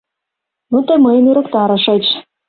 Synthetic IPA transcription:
nut̪eməjənyɾə̆kt̪ɑɾɤ̆ʃɤ̆t͡ɕ

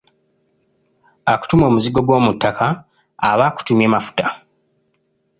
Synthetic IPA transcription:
aku̥tumo̞ːmuziɡo̞ɡwo̞ːmutːakaː | βaku̥tumje̞ːmafu̥ta

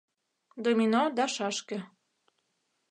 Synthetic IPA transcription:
d̪omʲinod̪ɑʃɑʃkə̆

